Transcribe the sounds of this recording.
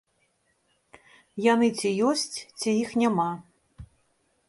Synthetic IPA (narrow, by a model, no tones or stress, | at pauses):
janɨt͡sʲijɔsʲt͡sʲt͡sʲijixnʲama